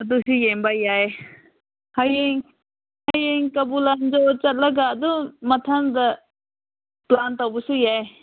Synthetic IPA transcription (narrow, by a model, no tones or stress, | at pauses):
ɐd̪usijembajaj | hajeŋ | hajeŋkɐbuland͡ʒɔt͡ʃɐt̪̚lɐɡaːd̪umɐtʰand̪ɐ | plantowbɐsujaj